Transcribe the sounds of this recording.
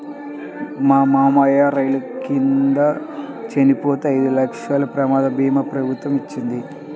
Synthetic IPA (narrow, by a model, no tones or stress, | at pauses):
mamaːmɐjaɾɐjlukind̪ɐ | t͡ʃenipoːt̪eɐjd̪ulɐkʂalɐpɾɐmaːd̪ɐbʱiːmɐpɾɐbʱut̪ʋɐmit͡ʃːind̪i